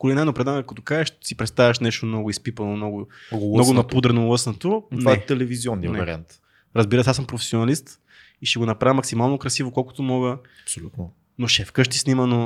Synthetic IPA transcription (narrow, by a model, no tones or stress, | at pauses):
kolinajnopɾɛd̪ankɐt̪okazɛʃsipɾɛt̪st̪avɐʃnɛʃt̪omnɔɡʊispipɐnomnɔɡʊnɔɡʊnɐpud̪ɾɛnolˠɤsnɐt̪ot̪vaɛt̪ɛlɛviziɔnːijɐnɛvɐɾia̰nt̪ | ɾɐzbiɾəsasəmpɾofɛ̥sionɐlist̪ | iʃɛɡonɐpɾavəmːɐksimalˠnokɾɐsivokɔlˠkʊ̥t̪omɔɡəɐpsolʲut̪no | noʃɛfkəʃt̪isniməno